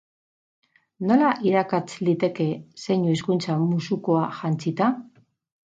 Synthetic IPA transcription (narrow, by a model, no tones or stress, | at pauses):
no̞laʔiɾakat͡slit̪e̞ke̞se̞ɲuiskunt͡samusuko̞aʝant͡sit̪a